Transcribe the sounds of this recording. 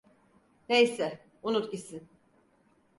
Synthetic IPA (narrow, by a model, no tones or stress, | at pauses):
nejsɛ | unut̪cʲisin